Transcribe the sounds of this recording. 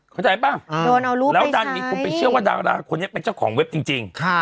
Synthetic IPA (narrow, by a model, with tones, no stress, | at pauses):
kʰa˥˩t͡ɕa˧jbaː˥˩ŋdoː˧na˧wɾuː˦lɛː˦˥wdaː˧˩nmiː˧kʰo˧npa˧jt͡ɕʰɯ˥˩əwaː˥˩da̰ː˧wda̰ː˧kʰo˧nːi˦˥˩pe˧nt͡ɕa˥˩wkʰɔ̰ː˩˦ŋwe˦˥p̚t͡ɕi˧ŋt͡ɕi˧ŋkʰa˦˩